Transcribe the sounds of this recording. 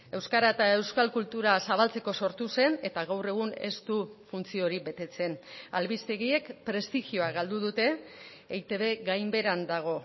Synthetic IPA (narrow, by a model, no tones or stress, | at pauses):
e̞wskaɾaet̪ae̞wskalkult̪uɾasaβalt͡se̞ko̞so̞ɾt̪use̞ne̞t̪aɣawre̞ɣ̞une̞̰st̪ufunt͡sio̞ɾibe̞t̪e̞t͡se̞nalβist̪e̞ɣie̞kpɾe̞st̪ixio̞aɣald̪uð̞ut̪e̞ː | jt̪e̞βe̞ɣajmbe̞ɾand̪aɣ̞o̞